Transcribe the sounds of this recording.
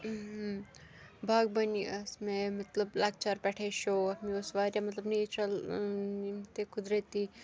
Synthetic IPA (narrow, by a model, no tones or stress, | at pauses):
bʱaːɡ̚bɐniɐsmemɐt̪ləblaːɡ̚t͡ʃaɾpɛʈʰeʃoːɐmiosʋaːɾjamɐt̪ləbnit͡ʃʰɐlnimt̪ekʰʊd̪ɾet̪i